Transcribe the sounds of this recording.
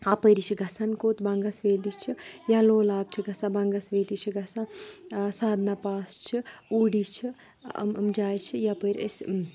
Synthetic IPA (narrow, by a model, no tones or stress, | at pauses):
apəjɾit͡ʃʰiɡʱɐsankoːt̪bɐŋɡɐsʋeːlit͡ʃʰijaloːlaːb̚t͡ʃʰiɡɐsãbɐŋɡɐsʋeːlit͡ʃʰiɡʱɐsãsaːd̪napaːst͡ʃʰiuːɽit͡ʃʰḭ | mmd͡ʒaːjt͡ʃʰijapəjɾes